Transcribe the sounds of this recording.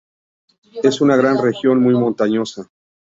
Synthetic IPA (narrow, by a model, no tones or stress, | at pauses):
e̞sunaɣ̞ɾanre̞xjo̞nmujmo̞nt̪aɲo̞sa